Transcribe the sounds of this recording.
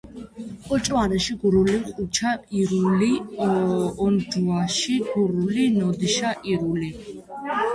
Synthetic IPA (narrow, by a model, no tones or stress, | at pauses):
ɔt͡ʃʼwanɛʃiɡuɾuliqʼut͡ʃʰaiɾuli | ɔnd͡ʒuaʃiɡuɾulinɔd̪iʃaʔiɾuli